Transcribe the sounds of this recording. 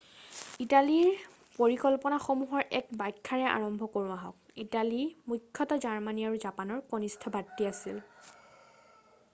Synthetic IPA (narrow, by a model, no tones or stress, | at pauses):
italiɹ | poɹikɔlpɔnaxomuɦɔɹʔɛk̚bajkʰːaɹɛʔa̰ɹɔmbʱɔkoɹũaɦɔ̃k̚ | italimukʰːɔtɔzaɹmaniaɹuzapanɔɹkonistʰɔbatːiasil